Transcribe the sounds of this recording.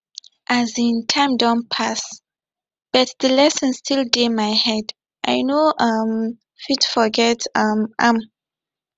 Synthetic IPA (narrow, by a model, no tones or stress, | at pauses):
ʔazĩntʰãɪ̃mdãnpʰas | b̥ʌt̚dəlɛsə̃nstʰildemaɪhɛd | ʔa̰ɪnoʔʌm | fitfɔɡɛtʌmʔãm